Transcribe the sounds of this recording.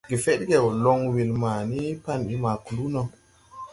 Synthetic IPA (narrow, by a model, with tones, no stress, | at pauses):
ɡe˨fe˦ɗɡe˨wlo˨ŋwi˨lma˨ni˦pa˦˨ni˦ma˨ku˨lu˦no˨